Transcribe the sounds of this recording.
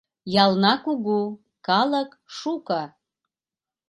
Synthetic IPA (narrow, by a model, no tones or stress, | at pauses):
jɑlˠnɑkuɣu | kɑlˠək | ʃukɑ